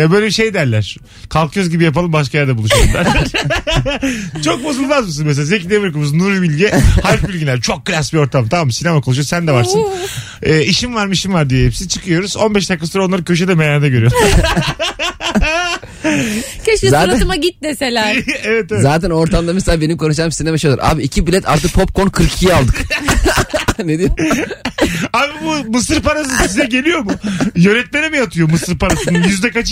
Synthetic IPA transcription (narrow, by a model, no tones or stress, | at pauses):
jabøjlʲebiʃe̞jd̪æɾlʲæɾ̥ | kʰalˠkʰjøzɟibijap̬alˠɯmbaʃ̬kajaɾd̪abulˠuʃujoɾˠa̰ɾ | t͡ʃʰo̞k̚bozulˠmazmɯs̬ɯnmes̬elʲazecid̪evɯɾkɯmuznuɾbilʲɟɛhaɾbylʲɟilʲæɾt͡ʃʰo̞k̚ːɯlʲasbio̞ɾt̪ʰamt̪ʰamamsinemakʰolˠʃujosænd̪ɛvaɾsɯn | ɛːiʃimvaɾmɯiʃimvaɾd̪ijɛɦepsiit͡ʃʰɯkʰɯjo̞ɾuzo̞nbɛʃd̪akʰːasuɾao̞nlˠaɾkcʰøʃ̬ɛd̪ɛmejaɾd̪aɟø̞ɾyjoa | cʰøʃizaːtɾamaɟit̪̚neselʲæɾevɛt̪ezaːt̪ɛno̞ɾt̪ʰamd̪amislabe̞nimkʰoʃ̬amsizɛbaʃjod̪ˠa̰ɾʔa̰ːbiicʰibilʲɛt̪ʰa̰ɾt̪ɯk̚pʰo̞p̚ko̞nkʰɯɾkʰijalˠd̪ɯk | ned̪ijo | aːbibumɯsɯɾpaɾas̬ɯsisinɛɟe̞lʲijo̞mujø̞nɛt̪̚meɾɛmijat̪ʰɯjomɯsɯɾpaɾasɯnɯjyzd̪ɛkat͡ʃ